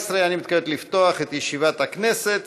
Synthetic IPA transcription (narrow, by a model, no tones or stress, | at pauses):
sɾejanimit̪̚kalet̪lift̪oaχet̪jeʃivat̪hakneset̪